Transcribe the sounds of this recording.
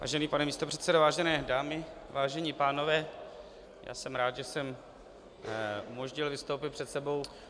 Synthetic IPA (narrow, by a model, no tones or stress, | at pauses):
va̰ːʒɛniːpanɛmiːst̪o̞pr̥ɛt̪sɛdovaːʒɛnɛːdaːmɪvaːʒɛɲipaːno̞vɛː | ja̰ːsɛmɾaːd̪ʒɛsɛm | ʔumoʒɲɪlvɪst̪owpɪt̪̚pr̝̥ɛt̪sɛbo̞w